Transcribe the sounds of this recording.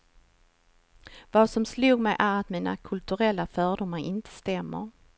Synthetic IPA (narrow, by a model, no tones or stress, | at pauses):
vɑsɔmsluːɡmɛjʔæɾat̪miːna̰kʰɵlt̪ɵɾɛlːafœːɖʊmːaɾɪnt̪ʰə̥st̪ɛmːə̰ɾ